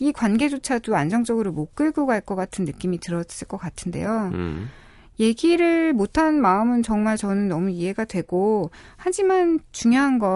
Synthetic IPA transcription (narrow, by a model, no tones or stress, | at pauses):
ikwanɡe̞d͡ʑot͡ɕʰadoand͡ʑʌŋd͡ʑʌɡɯɾomok͈ɯɭɡuɡɦaɭk͈ʌk͈atʰɯnːɯk͈imitɯɾʌs͈ɯɭk͈ʌk͈atʰɯnde̞̰jo | je̞ɡiɾɯɭmotʰanmaɯmɯnt͡ɕʌŋmaɭt͡ɕʌnɯnːʌmuiɦe̞ɡadwe̞ɡ̥o | had͡ʑimant͡ɕuŋjoɦanɡʌ